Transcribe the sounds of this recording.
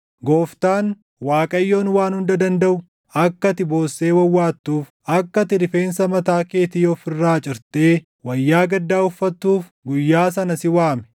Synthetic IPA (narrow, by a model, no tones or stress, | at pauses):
ɡoːft̪aːn | waːkʼɐjːo̞ːnwaːnhʊnd̪ɐd̪ɐnd̪ɐʔʊ | ɐkːɐt̪ɪbo̞ːsːe̞ːwɐwːaːt̪ːuːf | ɐkːɐt̪ɪɾɪfe̞ːnsɐmɐt̪aːke̞ːt̪iːɔfɪrːaːt͡ʃʼɪɾt̪eː | wɐjːaːɡɐd̪ːaːʊfːɐt̪ːuːf | ɡʊjːaːs̬ɐnɐsɪwaːmɛ̥